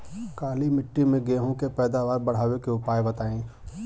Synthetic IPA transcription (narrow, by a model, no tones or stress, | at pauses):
kaːlimɪʈːimẽɡeːɦõkepɛːd̪aːʋaːɾbɐɽ̤aːwekeʊpaːjbɐt̪aːẽː